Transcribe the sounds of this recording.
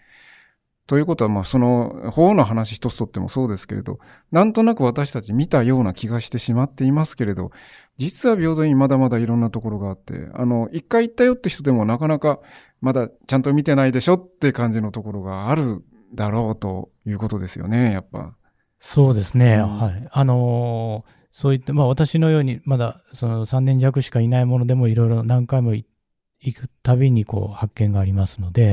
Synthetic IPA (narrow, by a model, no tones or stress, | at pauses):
t̪o̞jɯ̟ːko̞t̪oamaːso̞no̞ho̞ːnoɦanaɕi̥çi̥t̪o̞t͡sɨ̥t̪o̞t̪ːe̞mo̞̰so̞ːd̪e̞sɨ̥ke̞ɾe̞̰d̪o̞̰ | nãnt̪o̞nakɯ̟βat̪aɕi̥t̪at͡ɕimʲit̪ajo̞ːnakʲiɡaɕi̥t̪e̞ɕimat̪ːe̞imasɨ̥ke̞ɾe̞d̪o̞̰ | d͡ʑit͡sɨβabʲo̞ːd̪o̞ɲ̟imad̪amad̪aiɾõ̞nːat̪o̞ko̞ɾo̞ɡaːt̪ːe̞̰a̰no̞ʔikːaiit̪ːajo̞t̪ːeçi̥t̪o̞d̪e̞monakanaka | mad̪at͡ɕãnt̪o̞mʲit̪e̞naid̪e̞ɕo̞t̪ːe̞kãɲ̟d͡ʑino̞t̪o̞ko̞ɾo̞ɡaːɾɯ̟ | d̪aɾo̞ːt̪o̞̰ | jɯ̟ːko̞t̪o̞d̪e̞sɨjo̞̰ne̞japːa̰ | so̞ːd̪e̞sɨne̞haiano̞ | so̞ːit̪ːamaβat̪aɕino̞jo̞ːɲ̟imad̪a | so̞no̞sãnːẽ̞ɲ̟d͡ʑakɯ̟ɕi̥kainaimo̞no̞d̪e̞mo̞iɾo̞iɾo̞nãŋkaimo̞i | ikɯ̟̥t̪aβeɲ̟iko̞̰ːhakːẽ̞ŋɡaːɾʲimasɨno̞d̪e̞